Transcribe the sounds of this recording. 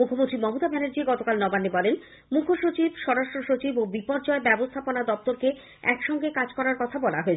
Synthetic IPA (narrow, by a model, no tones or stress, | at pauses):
mukʰomont̪ɾimɔmot̪abɛnoɾd͡ʑiɡɔt̪okalnɔbanːebɔlen | mukʰːoʃot͡ɕibʃɔɾaʃʈɾoʃot͡ɕibobipɔɾd͡ʑɔebɛbost̪ʰaponad̪ɔp̚t̪oɾke | ɛkʃɔŋɡekad͡ʑkɔɾaɾkɔt̪ʰabɔlaɦoet͡ɕʰ